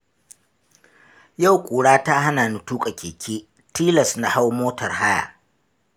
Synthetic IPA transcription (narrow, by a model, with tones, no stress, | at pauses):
ja˦˨wkʷʼuː˨ɽaː˦ta˦ɦa˦naː˨nu˨tuː˦kʼa˨kʲʰeː˨kʲʰeː˦ | tiː˦lɐ˨sna˦ha˦wmoː˦tɐ˨rɦa˦ja̰˨